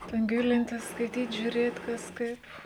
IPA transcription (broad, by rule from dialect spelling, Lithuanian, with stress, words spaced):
ˈtʲɛn ˈɡʲɪlʲɪnʲtʲɪs skɐɪˈtʲiːt ʒʲuːˈrʲeːt kɐs ˈkɐɪp